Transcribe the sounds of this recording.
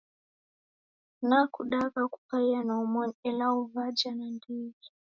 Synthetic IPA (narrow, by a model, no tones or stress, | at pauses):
nakuɗakaku̥paianaɔmɔɲɛlauvad͡ʒanandiɡi